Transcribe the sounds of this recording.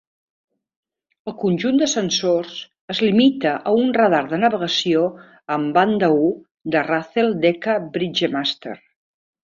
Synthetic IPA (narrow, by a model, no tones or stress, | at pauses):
əlˠkunʲʒund̪əsənsorz | əzlimit̪əʔəunrəð̞aɾðənəβəɣəsio | əmband̪əu | d̪əraθelˠd̪ɛkəbɾid͡ʒemast̪ḛr